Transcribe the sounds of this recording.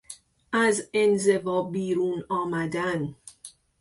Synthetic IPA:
ʔæzenze̞vɒːbiːɾuːnɒːmæd̪æn

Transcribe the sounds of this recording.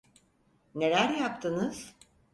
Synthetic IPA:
ne̞lʲæɾjapt̪ʰɯnɯz̥

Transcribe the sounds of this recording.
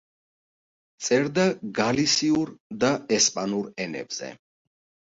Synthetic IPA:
t̪sʼɛɾd̪aɡalisiuɾd̪aɛspʼanuɾɛnɛ̰bz̥ɛ̰

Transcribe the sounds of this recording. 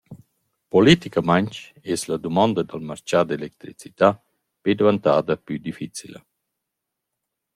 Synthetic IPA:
polit̪ikamaɲt͡ʃ | ɛslad̪umɔnd̪ɐd̪almaɾt͡ʃad̪elɛk̚t̪ɾit͡si̥t̪a | ped̪evant̪aːd̪ɐpyd̪ifit͡silɐ̰

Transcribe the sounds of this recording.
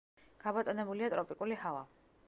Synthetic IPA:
ɡ̥abɔt̪sʼɔnɛbuliat̪ʼɾɔpʼikʼulihava̰

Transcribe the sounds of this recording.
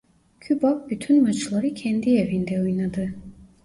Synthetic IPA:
cʰybak̚byt̪ʰynmat͡ʃʰlˠaɾɯcʰɛnd̪ievind̪ɛujnad̪ɯ

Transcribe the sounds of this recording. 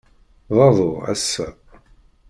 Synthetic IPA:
ðˤɑðˤoʁæ̰sːæ

